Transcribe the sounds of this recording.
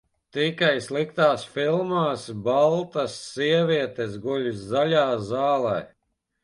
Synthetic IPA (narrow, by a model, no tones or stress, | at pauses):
t̪ikajslˠikt̪aːsfilˠmaːsbalˠt̪ɐsːiɛvʲiɛt̪esɡulʲusːalʲaːzaːlˠɛː